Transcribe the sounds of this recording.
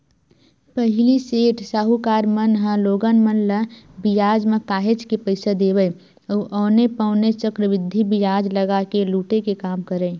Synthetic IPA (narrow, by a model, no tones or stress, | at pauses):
pəɦliseːʈʰsaːɦukaːɾmənɦãloːɡənmənləbijaːd͡ʒmẽkaːɦet͡ʃkepəɪsad̪eːbə | əʔoːnepəʊnet͡ʃəkɾəʋɪd̪ʱːibijaːd͡ʒləɡakeluːʈekekaːmkəɾə̃ː